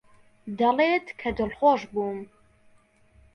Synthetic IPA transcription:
d̪ɐleːt̪kʰɐd̪ɨlxoːʃbuːm

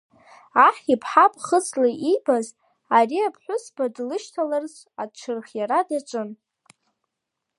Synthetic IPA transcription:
aħipʰħapʼχət͡sʰʼlaʔibaz | ariapʰħʷʊsb̥adlɨʃtʰalarzʷ | a̰t͡ʃʷʰɨrχjaɾadat͡ʃʷʼɨn

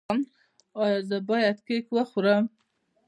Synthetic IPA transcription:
n | ɑjɑzəbɑjad̪kekwəxuɾəm

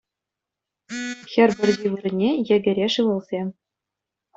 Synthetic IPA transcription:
xʲɘ̆rʲbʲɘ̆rʲzʲiʋɯrʲɘ̆nʲejɘ̆ɡʲɘ̆ɾʲeʂɯʋɤ̆lˠzʲe

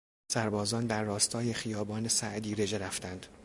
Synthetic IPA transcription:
sæɾbɒːzɒːnd̪æɾːɒːst̪ʰɒːje̞xijɒːbɒːne̞sæʔd̪iːɾe̞d͡ʒe̞ɾæft̪ænd̪̥

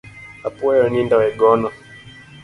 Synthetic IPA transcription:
apuɛjɔnindawɛɡɔnɔ

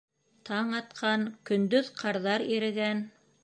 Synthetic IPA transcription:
t̪ʰɑɴɑt̪qʰɑnkɵ̆nd̪ɵðqʰɑɾðɑɾiɾɘ̆ɡæn

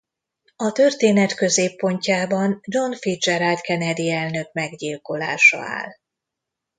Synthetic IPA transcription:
ɒt̪ø̞rt̪eːnɛt̪kø̞zeːpːo̞ɲcaːbɒnd͡ʒo̞nfit̪d͡ʒɛɾalt̪kɛnɛd̪iɛlnø̞k̚mɛɡɟiːlko̞la̰ːʃɒ̰a̰ːl

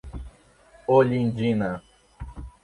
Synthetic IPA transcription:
oʎind͡ʒina

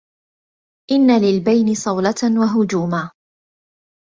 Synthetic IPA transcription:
ʔɪnːalɪlbajnɪsˤɑwlat̪nwaɦʊd͡ʒuːmaː

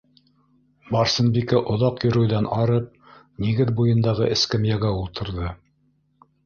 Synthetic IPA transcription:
bɑɾsɤ̆nbikæʔŏðɑqjɵ̆ɾɵ̆wðænɑɾɤp̚ | niɡɘðbujɤ̆nd̪ɑʁɤʔɘ̆skɘmjæɡæulˠt̪ʰɤ̆ɾðɤ

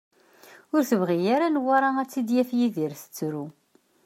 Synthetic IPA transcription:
ʊɾθəvʁijaɾanwaɾˤaæt͡sːid̪jæfjiðiɾθə̥t͡sːɾu

